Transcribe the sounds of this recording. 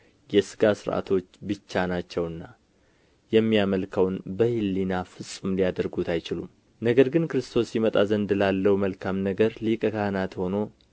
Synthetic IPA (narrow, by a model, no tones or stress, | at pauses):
jɛsɨɡasɨɾʔa̰t̪ʰo̞t͡ʃːbɨt͡ʃːanat͡ʃːɛwɨnːa | jɛmːijaməlkʰəwnbəhilːinafɨsʼumlijad̪əɾɡut̪ʰajt͡ʃɪlum | nəɡəɾɡɨnkɨɾɨst̪ʰo̞sjimət̪ʼazənd̪lalːəhuməlkʰamnəɡəɾlikʼəkahnat̪ho̞no̞